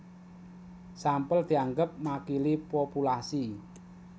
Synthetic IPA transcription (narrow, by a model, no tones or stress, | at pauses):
sampəld̪̥i̤aŋɡəp̚makilipopulasi